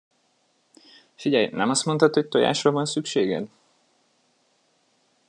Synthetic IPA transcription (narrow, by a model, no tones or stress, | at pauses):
fiɟɛjnɛmɒst̪mo̞nt̪ɒt̪ho̞c̚t̪oja̰ːʃrɒvɒnsykʃeːɡɛ̰d̪